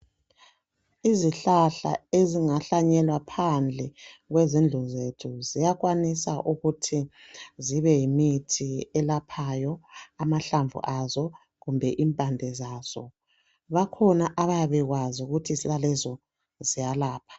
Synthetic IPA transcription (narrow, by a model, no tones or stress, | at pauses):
iziɬaɬa̰eziŋaɬaɲɛlwapʰand͡ɮʱɛɣwɛzind͡ɮʱuzetʰuzijaɣwanisaʔuɣutʰiziβɛjimitʰiɛlapʰajɔamaɬaɱvṵʔazɔ | ɣumbʱɛʔimpʼandʱɛzaːz̥ɔ̰ | βakʰɔnaʔaβajaβɛɣwazuɣutʰisilalɛzɔ | zijalaːpʰḁ